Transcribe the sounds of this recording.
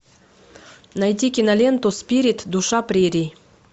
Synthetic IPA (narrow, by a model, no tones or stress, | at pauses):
najt̪ʲikʲinɐlʲent̪uspʲiɾʲit̪d̪uʃɑpɾʲeɾʲi